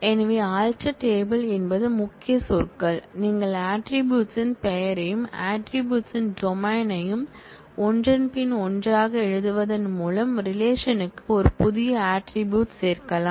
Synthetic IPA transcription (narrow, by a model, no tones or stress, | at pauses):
ɛnɐʋeːaːlʈɐʈeːbɐlɛnbɐðɯmʊkːɪjɐsɔɾkɐɭniːŋɡɐɭaːʈɾɪbjuːʈsɪnpɛjɐɾɐjɯmaːʈɾɪbjuːʈsɪnɖɔmaːnɐjɯm | ɔndrɐnpɪnɔndraːɣɐɛɻɯðɯʋɐðɐnmuːlɐmɾɪleːʂɐnɯkːɯɔɾɯpʊðɪjɐaːʈɾɪbjuːʈseːɾkɐlaː